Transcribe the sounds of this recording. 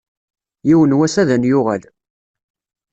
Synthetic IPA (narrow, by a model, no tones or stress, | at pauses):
jiwənwæsæðənjʊʁæl